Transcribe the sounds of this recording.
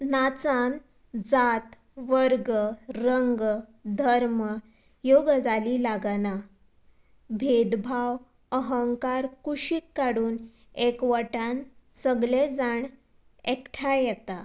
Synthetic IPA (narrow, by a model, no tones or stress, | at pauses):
nat͡san | d͡zat̪ | ʋəɾɡɾəŋɡd̪ʱəɾmə | joɡd͡zaliːlaɡna | bʱed̪bʱaʋ | əɦəŋkaɾkuɕiːkːaɽuːn | ekʋəʈansəɡled͡zaɳ | ekʈʰajɛt̪a